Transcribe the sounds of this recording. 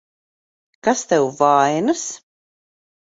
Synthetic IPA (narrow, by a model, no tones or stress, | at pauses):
kast̪ɛwvajnɨs